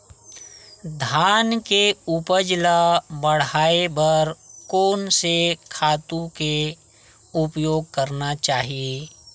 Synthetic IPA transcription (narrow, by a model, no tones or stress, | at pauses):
d̪ʱaːnkeʊpəd͡ʒlabəɽ̤ɦaːebəɾkoːnsekʰaːt̪ũke | ʊpjoːɡ̚kəɾnat͡ʃaːɦie